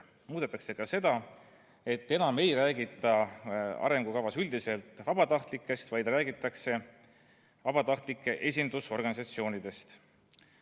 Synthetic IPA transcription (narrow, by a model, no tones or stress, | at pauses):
muːd̪̥et̪ːˑɑkse̞kɑse̞d̪̥ɑ | e̞t̪ːe̞nɑme̞jɾæːɡit̪ˑːɑɑ̰ɾe̞ŋɡukɑvɑsyld̪iselt̪ˑvɑb̥ɑt̪ɑht̪likːˑe̞st̪vɑjd̪̥ræːɡit̪ːˑɑkse̞ | vɑb̥ɑt̪ɑht̪likːˑe̞ʔe̞s̬ʲind̪uso̞rɡ̥ɑnisɑt̪sio̞ːnid̪̥e̞st̪